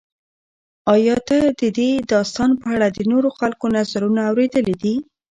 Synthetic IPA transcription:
ɑjɑt̪ad̪əd̪ed̪ɑst̪ɑnopəaɽad̪ənoɾoxalkonazaɾunaːwɾed̪əlid̪i

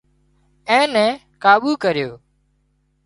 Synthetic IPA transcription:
ɛ̃ːnɛ̃ː | kaːɓuːkəɾɪjoː

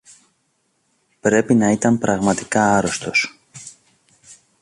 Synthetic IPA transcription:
pɾe̞pinɐit̪ɐmpɾɐɣmɐt̪i̥kɐɐɾo̞st̪o̞s

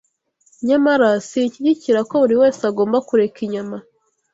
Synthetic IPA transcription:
ɲamaɾasiciɟiciɾako̞uɾiwe̞ːseaɡo̞ːmbakuɾe̞kiɲama

